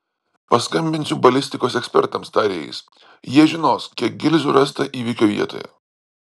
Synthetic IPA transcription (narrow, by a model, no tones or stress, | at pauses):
pɐskɐmʲbʲɪnʲsʲʊbɐlʲɪsʲt̪ʲɪkoːsɛksʲpʲɛɾt̪ɐmst̪ɑːɾʲɪjɛ̰ɪs | jiɛʒʲɪnoːskʲiɛk̚ɡʲɪlʲzʲʊɾɐst̪ɐʔiːʋʲɪkʲoːʋʲḭɛt̪o̰ːjɛ̰